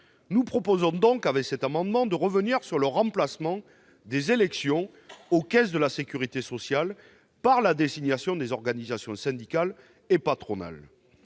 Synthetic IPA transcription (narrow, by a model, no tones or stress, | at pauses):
nupχɔpozɔ̃d̪ɔ̃kavɛksɛt̪amɑ̃d̪mɑ̃d̪əʁəvəniʁsyʁləʁɑ̃plasmɑ̃ | d̪ezelɛksjɔ̃ | okɛs̬d̪əlasekʲyʁit̪esɔsjal | paʁlad̪ezinjasjɔ̃d̪ezɔʁɡanizasjɔ̃sɛ̃d̪ikal | epat̪χɔna̰l